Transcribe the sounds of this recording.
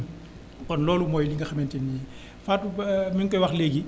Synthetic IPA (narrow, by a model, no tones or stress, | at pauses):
kɔnlɔːlumɔːjliŋɡɐxɐmɛntɛni | faːtumiŋkɔjwaxleːɡi